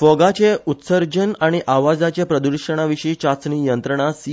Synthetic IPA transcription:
fɔɡat͡ɕeut̪səɾd͡ʑənaɽ̃iʔaʋad͡zat͡ɕepɾəd̪uɾʂəɽ̃aʋiʂiːt͡ɕat͡sɳiːjənt̪ɾəɳ̃asi

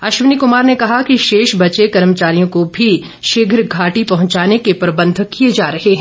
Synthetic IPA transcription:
ɐʃʋənikʊmaːɾnekɐɦakiʃeːʃbɐt͡ʃekɐɾmət͡ʃaːɾijõkobʱi | ʃɪɡʱɾɡʱaːʈipɐɦʊ̃ɲt͡ʃaːnekepɾɐbə̃nd̪ʱkijed͡ʒaːɾɐɦeɦɛ̃ː

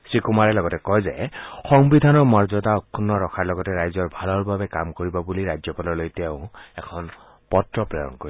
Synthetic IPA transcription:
sɹikumaɹɛlɔɡɔtɛkɔjzɛ̰xɔŋbidʱanɔɹmɔɹzɔtaɔkʰːunːɔɹɔkʰaɹlɔɡɔtɛɹajzɔɹbʱalɔɹbabɛkamkoɹibɔbuliɹajzɔpalɔɹlojtɛʊ̃ɛkʰɔn | pɔtɹɔpɹɛjɔ̰nkoɹi

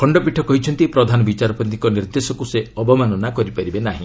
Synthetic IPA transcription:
kʰɔɳɖɔpiʈʰɔkɔɦit͡ʃʰɔnt̪ipɾɔd̪ʱanɔbit͡ʃaɾɔpɔnt̪i̥kɔniɾd̪esɔkuseɔbɔmanɔnakɔɾipaɾibenaɦḭ̃

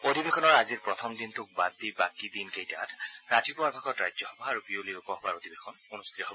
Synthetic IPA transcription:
od̪ʱibexɔnɔɹaziɹpɹɔt̪ʰɔmd̪int̪ʰʊk̚bad̪ːibakid̪inkejta̰tʰɹatipuaɹbʱaɡɔtɹajzɔhɔbɔaɹupiolilokɔɦɔbaɹod̪ibexʰɔnunust̪ʰit̪ɔɦobɔ

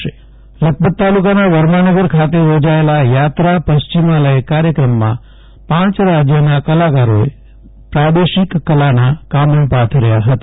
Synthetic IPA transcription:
e | lək̚bəd̪̚t̪alukanaʋəɾmanəɡəɾkʰat̪ejod͡ʒaelajat̪ɾapəʃt͡ʃimaləekaɾjəkɾəmːã̰ | pãt͡ʃɾad͡ʒjənakəlakaɾoḛ | pɾad̪eʃikːəlanakam̃pat̪ʰɾəjaɦət̪ḁ

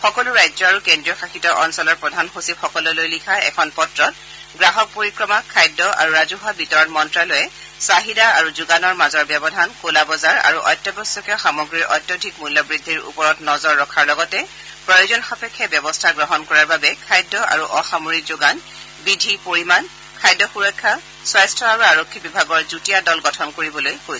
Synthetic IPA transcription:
xɔkɔlʊɹajzɔaɹukendɹiɔxaxitɔʔɔnsɔlɔɹpɹɔdʱanxusipxɔkɔlɔlojlikʰaɛ̰kʰɔnpɔtɹɔt̚ | ɡɹaɦɔk̚poɹikɹɔmakʰajdːɔʔa̰ɹuɹazuɦabitɔɹɔnmɔntɹalɔjɛ | saɦidaaɹuzuɡanɔɹmazɔɹbɛbɔdʱankolabɔzaɹa̰ɹuʔɔ̰jtːɔbɔsːɔkɛxamɔɡɹiɹʔɔ̰jtjɔdʱikmulːɔbɹidʱːiɹṵpɔɹɔtnɔzɔɹːɔkʰaɹlɔɡɔtɛ | pɹɔjozɔnxapɛkʰːɛbjɔbɔstʰaɡɹɔɦɔnkɔɹaɹbabɛkʰajdːɔʔa̰ɹuʔɔxamoɹikzuɡan | bidʱipoɹiman | kʰajdːɔxuɹɔkʰːa | swajstʰɔaɹuaɹokʰːibibʱaɡɔɹzutijadɔlɡɔtʰɔnkoɹibɔlojkojsɛ̥

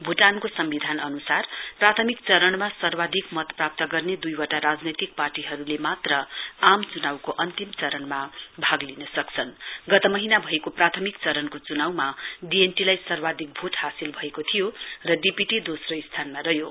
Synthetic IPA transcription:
bʱuʈankosʌmbid̪ʱanʌnusarprat̪ʰʌmikt͡sʌɾʌɳmasʌrbad̪ʱikmʌt̪prap̚t̪ʌɡʌrned̪ujwʌʈaɾad͡znʌjt̪ik̚parʈiɦʌɾulemat̪rʌamt͡sunawkoʔʌnt̪imt͡sʌɾʌnmabʱaɡlinʌsʌkt͡sʰʌnɡʌt̪ʌmʌɦinabʱʌekoprat̪ʰʌmik̚t͡sʌɾʌnkot͡sunawmaɖienʈilajsʌrbad̪ʱik̚bʱuʈhasilbʱʌekot̪ʰijorʌɖipiʈid̪osrʌist̪ʰanmaɾʌɦjo

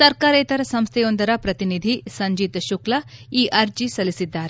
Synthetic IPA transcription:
sɐɾkaːɾeːt̪ɐɾɐsɐmst̪ʰɛjond̪ɐɾɐpɾɐt̪inid̪ʱisɐɲd͡ʒiːt̪ɐʃuklɐiːʔɐɾd͡ʒisɐlisid̪ːaːɾe

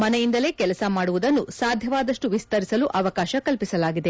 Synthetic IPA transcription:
mɐnɛjind̪ɐle̞ːkɛlɐsɐmaːɽuʋud̪ɐnːusaːd̪ʱjɐʋaːd̪ɐʂʈuʋist̪ɐɾisɐluʔɐʋɐkaːʃɐkɐlpisɐlaːɡid̪e̞

